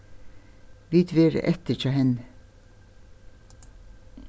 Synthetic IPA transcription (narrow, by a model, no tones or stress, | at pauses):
ʋiːt̪ʰʋiːɾɛ̰t̪ət͡ʃɑhɛn